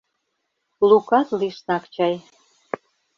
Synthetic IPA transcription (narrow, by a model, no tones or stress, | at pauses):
lukɑt̪liʃnɑkt͡ɕɑj